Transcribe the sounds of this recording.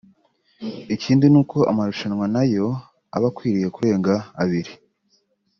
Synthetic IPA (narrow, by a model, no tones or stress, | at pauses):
iciːndinuːkoa̰maɾuʃanwanajo̞ | a̰βakwiːɾije̞kuɾe̞ːŋɡaːβiɾi